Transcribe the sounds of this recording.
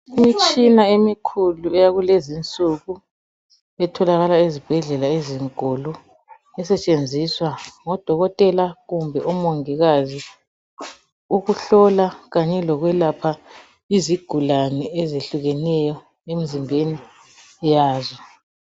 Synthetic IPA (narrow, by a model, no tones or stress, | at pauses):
imit͡ʃʼinaemikʰuluɛjaɣulezint͡sʼuɣu | ɛtʰɔlaɣalaezib̥ʱɛɮɛlaeziŋkɔlɔ | ɛsɛt͡ʃʼend͡zʱiswaŋɔd̥ʱɔɣɔtʼɛlaɣumbʱɛʔɔmoŋiɣazi | uɣuɬɔlaɣaɲɛlɔɣwɛlapʰa | iziɡ̥ʱulanɛɛzeɬuɣɛnɛjɔ | em̩zimbʱeni | ɛjaːzɔ